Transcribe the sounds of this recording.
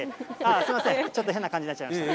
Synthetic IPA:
easɨɾimasẽt͡ɕo̞t̪ːoɦẽnːakãɲd͡ʑiat͡ɕːaimit̪a

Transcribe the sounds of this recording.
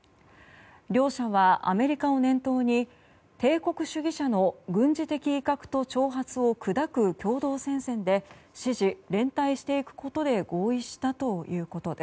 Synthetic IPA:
ɾʲo̞ːɕaβaʔa̰me̞ɾʲikao̞nẽ̞nt̪o̞ːɲ̟i | t̪e̞ːko̞kɯ̟ɕɨɡʲiɕano̞ɡɯ̟̃ɲd͡ʑit̪e̞kʲiːkakɯ̟̥t̪o̞t͡ɕo̞ːɦat͡sɨo̞kɯ̟d̪akɯ̟kʲo̞ːd̪o̞ːsẽ̞ɰ̃sẽ̞nd̪e̞ɕiʑiɾẽ̞nt̪aiɕi̥t̪e̞ikɯ̟̥ko̞t̪o̞d̪e̞ɡo̞ːiɕi̥t̪at̪o̞jɯ̟ːko̞t̪o̞d̪e̞s

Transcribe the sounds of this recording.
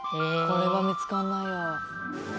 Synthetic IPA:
ekoɾe̞βamʲit͡sɨ̥kanːajo

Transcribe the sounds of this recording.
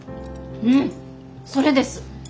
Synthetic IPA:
ɯ̟̃ɴ | so̞ɾe̞d̪e̞sɨ̥

